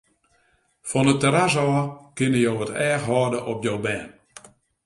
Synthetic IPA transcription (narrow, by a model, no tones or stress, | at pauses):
fɔnətəɾas̬ɔːkɪnəjowʋɔtɛːxɦɔːdəʔɔp̚jowbɛːn